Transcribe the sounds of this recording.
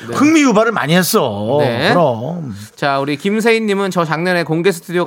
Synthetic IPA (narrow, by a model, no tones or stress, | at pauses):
kɯŋmijubaɾɯɭma̰ɲiɦes͈ʌneɯɾʌm | t͡ɕauɾikims̬ʰe̞iɲːimɯnt͡ɕʌt͡ɕaŋɲʌne̞koŋɡe̞sʰɯ̥tʰudijo